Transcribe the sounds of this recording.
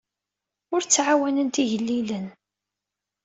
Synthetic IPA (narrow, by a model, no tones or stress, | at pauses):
ʊɾt͡sːʕawænənt̪iʝəlːilən